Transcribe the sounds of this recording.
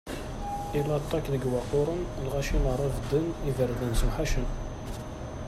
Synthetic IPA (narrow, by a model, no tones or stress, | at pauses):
ilɑt̪ˤːɑkðəɡwɑqoɾˤənlʁæʃinəɾˤəvd̪ənivəɾðænzuħaʃən